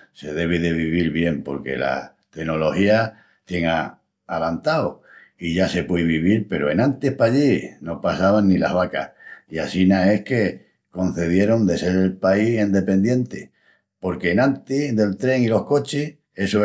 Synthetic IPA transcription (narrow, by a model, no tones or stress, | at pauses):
se̞ð̞e̞β̞iðe̞βiβ̞iɾβje̞mpo̞̰ɾke̞̰la̰ | t̪eno̞lo̞hia | t̪je̞ŋa | alant̪ao | iʝase̞pweβiβiɾpe̞ɾoe̞nant̪ihpaʎino̞pasaβanːila̰ɦβakahiasinae̞hke̞ | ko̞n̟θe̞ð̞je̞ɾo̞nd̪e̞se̞ɾelpaisend̪e̞pẽ̞nd̪je̞nt̪e | po̞ɾke̞ːnãnt̪id̪e̞lt̪ɾe̞ŋilo̞hko̞t͡ʃih | e̞so